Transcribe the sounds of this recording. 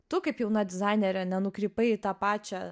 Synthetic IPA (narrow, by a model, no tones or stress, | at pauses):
t̪ʊkɐɪpjɛʊnɐd̪ʲɪzɑɪnʲɛɾʲɛnʲɛnʊkɾʲiːpɐɪɪt̪ɑːpɑːt͡ʃʲɛ